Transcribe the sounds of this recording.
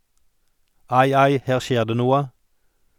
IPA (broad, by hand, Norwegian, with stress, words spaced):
ˈɑɪ ˈɑɪ ˈheːʁ ˈʃjeːʁ ˈdeː ˈnuːə